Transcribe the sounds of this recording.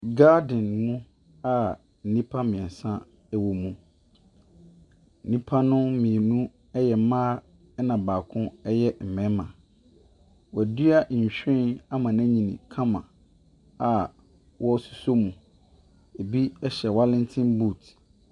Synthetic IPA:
ɡa˦dɪ̃˨nmũ˦ | a˨ | n̩˨nĩ˦pʰa˦mɪ̃˨ɛ˨sã˦ | wo˨mũ˨ | n̩˨nĩ˦pʰa˦nʊ̃˦mĩ˨nũ˦ | ɛ˦jɛ˨˦mãː˦ | nã˨baː˨kʰʊ̃˦ɛ˦jɛ˦m̩˨mɛ̃˨˦mã˨ | wɔ˨æ˨dɥa˦ʔ̩˨ɕᶣɪ̃˦na˦mã˨næ̃˦ɲĩ˨nḭ̃˨kʰã˦mã̰˨ | a˨ | wʔɔ˦su̥˨so˦mũ˨ | e˨bi˦ɛ˦ɕɛ˨wa˦lɪ̃˦n˦tʰɪ̃˦mbuː˦˨t

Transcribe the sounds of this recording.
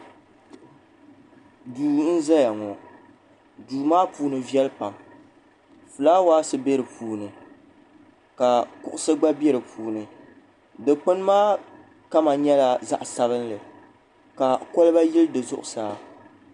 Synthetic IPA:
duː˨n̩˦za˦ja˨ŋɔ˨ | duː˨maː˦puː˨nɨ˨vi˦ɛ˦lɨ˦pa˨m | fɨ˨laː˦waː˦sɨ˨be˦ɾɨ˨pʰuː˨nɨ˨ | ka˨kʊ˦ʔʊ˦sɨ˦ɡ͡ba˦bɛ˦ɾɨ˨pʰuː˨nɨ˨ | dɨ˨k͡pɨ˦n˦maː˦ | ka˦ma˨ɲɛ˦la˨za̰˦ʔsa˦βɨ˦nlɨ˨ | ka˨kɔ˦lɨ˦ba˦jɪ˦lɨ˦dɨ˨zʊ̰˦ʔʊ˨saː˨

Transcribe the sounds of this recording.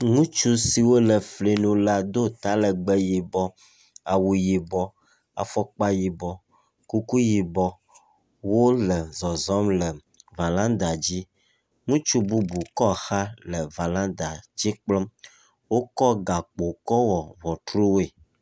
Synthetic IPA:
ŋũ˦t͡ʃu˦si˨wo˦lɛ˨fli˨nũ˨la˦d̪o˦t̪a˦lɛ˨ɡ͡bɛ˦ji˨bɔ˦ | a˨wu˨ji˨bɔ˦ | a̰˨fɔ˦k͡pa˦ji˨bɔ˦ | ku˦ku˦ji˨bɔ˦ | wo˦lɛ˨zɔ˨zɔ˦mlɛ˨ | va˨lã˦d̪a˨d͡ʑi˦ | ŋũ˦t͡ʃu˦bu˦bu˨kɔ˦˨xa˦lɛ˨va˨lã˦d̪a˨d͡ʑi˦k͡plɔ˦m | wo˦kɔ˦ɡa˨k͡po˨kɔ˦wɔ˨vɔ˨t̪ɾu˦we˨

